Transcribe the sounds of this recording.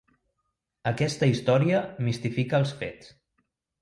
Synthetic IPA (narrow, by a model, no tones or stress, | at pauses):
əkɛst̪əist̪ɔɾiəmist̪ifikəːlˠsfḛs